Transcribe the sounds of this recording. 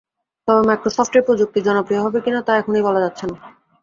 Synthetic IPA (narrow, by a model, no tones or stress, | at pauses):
t̪ɔbemajkɾosɔfʈeɾpɾod͡ʑuk̚t̪id͡ʑɔnopɾijoɦɔbekinat̪aɛkʰonejbɔlad͡ʑat̪ːɕʰena